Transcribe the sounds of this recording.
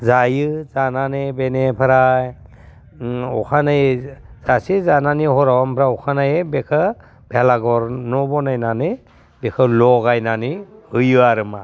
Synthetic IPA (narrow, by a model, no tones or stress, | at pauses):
zajɯzananibenepʰɯɾaj | ɔkʰanɯjz̥asizananihɔɾawampʰɾaɔkʰanajebekʰɯ | b̥elaɡɔɾnɔbɔnajnanɯ | bekʰɯlɔɣajnanihɯjɯaɾɯma